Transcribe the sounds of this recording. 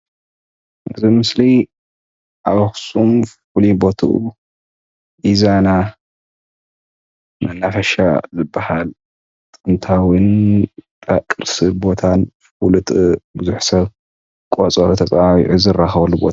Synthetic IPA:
ʔɨzimɨsli | ʔaβaxsumffulibo̞t̪ʰṵʔṵ | ʔizana | mɐnːafɐʃa̰zɨbːahal | t̪ʼɨnt̪ʰawɨnt̪ʼakʼɨɾsɨbo̞t̪ʰanfwlɨt̪ʼbɨzuħsɐβ | kʼot͡sʼɐɾut̪ʰɐt͡sʼaawḭʕuzɨrːaxβɐlːubo̰t̪

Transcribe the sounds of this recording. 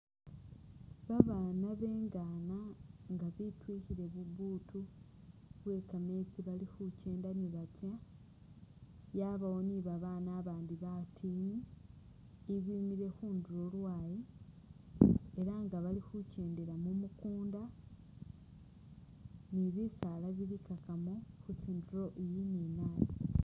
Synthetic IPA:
βaβaːnaβe̞ːŋɡanaŋɡaβitwiːhiɾe̞βuɡuːtu | βwe̞ːkame̞t͡siβalixuce̞ːndaniβatja | jaːβawo̞niβaβaːnaːβaːndiβatʰiːniː | βimiɾe̞xuːnduɾo̞lwaːji | e̞ɾaŋɡaβalixuce̞ːnde̞ɾamumukuːnda | niβisalaβiɾikakamoxut͡siːnduɾo̞ʔijininali

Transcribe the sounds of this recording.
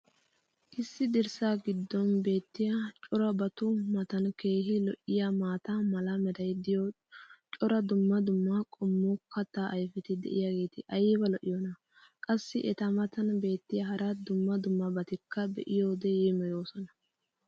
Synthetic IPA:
ʔɪsːɪd̪ɛɾsaːɡɪd̪ːɔnbe̞ːt̪ːɪjɐt͡ʃʼɔɾɐbɐt̪ʊmɐt̪ɐnke̞ːhɪlɔʔɪjamaːt̪amɐlɐmɛd̪ɐjd̪ɪjo | t͡ʃʼɔɾɐd̪ʊmːɐd̪ʊmːɐkʼɔmːʊkʰɐt̪ːaːʔɐjfɛt̪ɪd̪ɛ̰ʔɪjaɡe̞ːt̪ɪʔɐjɛbɐlɔʔɪjonɐ | kʼɐsːɪʔɛt̪ɐmɐt̪ɐnbe̞ːt̪ːɪjɐhɐɾɐd̪ʊmːɐd̪ʊmːɐbɐt̪ɪkːɐbɛʔɪjoːd̪ɛjemɛjo̞ːsɔnɐ

